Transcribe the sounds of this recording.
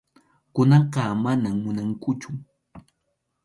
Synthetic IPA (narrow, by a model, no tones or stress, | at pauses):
kʊnɑɢɑmanamːʊnaŋkʊt͡ʃʊ